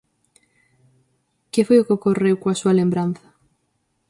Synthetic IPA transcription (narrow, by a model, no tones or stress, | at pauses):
kefojʊkokorewkoasualembɾan̟θḁ